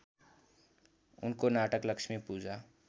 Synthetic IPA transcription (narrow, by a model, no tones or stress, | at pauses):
ʊ̰nkonaːʈəkləkʃmẽpuːd͡ʒʱa